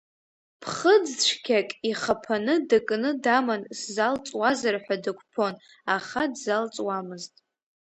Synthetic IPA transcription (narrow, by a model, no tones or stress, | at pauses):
pʰχəd͡zʈ͡ʂʷʰkʲʰakʲʼiχapʰanɨdakʼnɨdamanszalt͡sʼwazarħʷᶣadɨkʷʰʼpʰo̞n | aχadzalt͡sʼwamɨztʼ